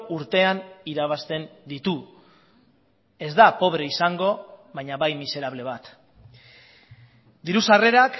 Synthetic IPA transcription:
uɾt̪e̞aniɾaβ̞ast̪e̞nd̪it̪u | e̞zd̪apo̞βɾe̞isaŋɡo̞βajɲaβajmise̞ɾaβ̞le̞β̞at̪ | d̪iɾusare̞ɾak

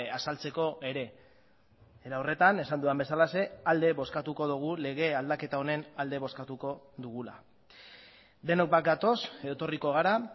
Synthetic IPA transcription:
asalt͡se̞ko̞ʔe̞ɾe̞ | eɾawre̞t̪ane̞sand̪uambe̞salase̞ald̪e̞βo̞skat̪uko̞ðuɣ̞ule̞ɣ̞e̞ald̪ake̞t̪aone̞nald̪e̞βo̞skat̪uko̞ðuɣ̞ula̰ | d̪e̞nok̚bat̪̚ɡ̪at̪o̞set̪o̞riko̞ɣ̞aɾa

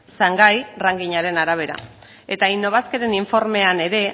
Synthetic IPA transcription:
saŋɡajraŋɡiɲaɾe̞naɾaβ̞e̞ɾa̰ | e̞t̪ainːo̞βaskeɾe̞niɱfo̞ɾme̞ane̞ɾe̞

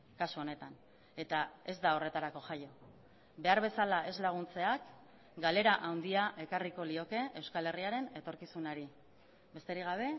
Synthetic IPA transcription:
kasuo̞ne̞t̪an | e̞t̪ae̞zd̪ao̞re̞t̪aɾako̞ʝajo̞ | be̞aɾβe̞salae̞zlaɣ̞unt͡se̞ak | ɡale̞ɾaʔawnd̪iaʔe̞kariko̞lio̞ke̞e̞wskale̞riaɾe̞ne̞t̪o̞ɾkisunaɾi | be̞st̪eɾiɣ̞aβ̞e̞

